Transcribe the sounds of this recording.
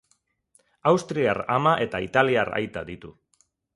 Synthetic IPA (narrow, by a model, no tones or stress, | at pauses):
awst̪ɾiaɾa̰maʔe̞t̪ait̪aliara̰jt̪aðit̪u